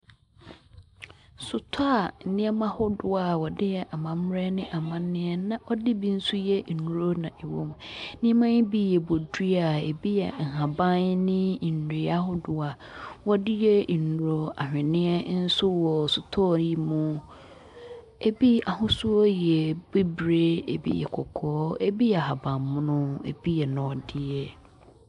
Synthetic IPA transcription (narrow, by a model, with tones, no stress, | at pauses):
sʊ˨tʰa˦a˨nɪ̃˦ɛ˦mã˦hʊ˦dʊ˦a˨wɔ˨dɪ˦jɛ˨ʔa˨mã˨m˦ɾɛ˦nɪ̃˦ʔa˨mã˦nɪ̃˦ɛ˦nã˦ʔɔ˦dɪ˦bi˦n̩˦su˦jɛ˦˨nu˨ɾo˦nã˨ʔɛ˨wo̰˦m̃˨˦nɪ̃˦ɛ˦mã˦bi˦jɛ˨bo˨di˦a˨ḛ˨bi˦jɛ̰˨ŋ̩˨hã˨bã˦nnɪ̃˦˨n̩˨ɾi˨a˦ɦʊ˦dʊ˨a˨wɔ˦dɪ˦jɛ˦˨nu˨ɾo˦a˨hᶣɪ̃˨nɪ̃˦ɛ˦n̩˦sʊ˦wɔ˨sʊ˨tʰɔ˦˨ji˦mʊ̃˦ | e˦bi˦a˨ɦʊ̃˦sʊ˦ɔ˦jɛ˨be˦bɾe˦ḛ˨bḭ˦jɛ̰˨kʰɔ˨kʰɔː˨˦e˦bi˦jɛ˨ɦa˨bã˨mːʊ̃˦nʊ̃˦ḛ˨b̥i˦jɛ˨nã˨ɔ˨dɪ˦jɛ˦